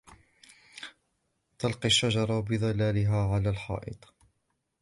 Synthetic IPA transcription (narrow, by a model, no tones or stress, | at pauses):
t̪ɑlqiʃːad͡ʒɑɾˤɑbɪðˤɑlaːlɪɦaːʕalaːlħɑ̰ːʔɪ̰t̪ˤ